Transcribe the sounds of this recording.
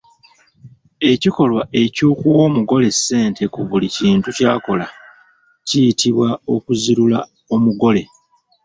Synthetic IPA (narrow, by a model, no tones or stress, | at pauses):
e̞ciko̞lwae̞cuːkuwo̞ːmuɡo̞le̞sːe̞ːntʰe̞kuβuliciːntucaːko̞la | cijitʰiβwao̞kuziɾula̰ | o̞muɡo̞le̞